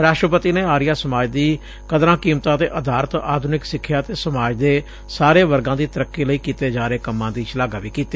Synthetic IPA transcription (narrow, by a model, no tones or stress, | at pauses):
ɾaːʃʈɾəpət̪iːneːaːɾɪjaːsəmaːd͡ʒd̪iː | kəd̪ɾãːkiːmt̪ãːt̪ḛːʔəd̪ʱaːɾət̪aːd̪ʱʊnɪksɪkʰːjaːt̪eːsəmaːd͡ʒd̪eː | saːɾeːʋəɾɡãːd̪iːt̪əɾəkːiːləiːkiːt̪eːd͡ʒaːɾeːkəmːãːd̪iːt͡ʃlaːɡaːʋiːkiːt̪eː